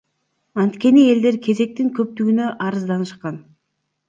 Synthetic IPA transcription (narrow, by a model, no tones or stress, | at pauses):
ɑnt̪kʲe̞nie̞ld̪e̞ɾkʲʰe̞ze̞k̚t̪iŋkʰɵp̚t̪yɡynø̞ʔɑɾɯzd̪ɑnɯʃqɑn